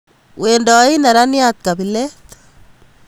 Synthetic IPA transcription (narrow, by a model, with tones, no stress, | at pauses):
we˨ndɔ˨˦i˦na˨ɾa˦njat̪̚kabi˨lɛ˦t̪